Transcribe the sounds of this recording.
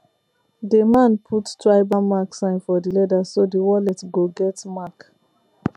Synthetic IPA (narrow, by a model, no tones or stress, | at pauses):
dimãnpʰuttɹaɪbamaksãɪ̃nfɔdilɛdasodiwɔlɛtɡoɡɛtmak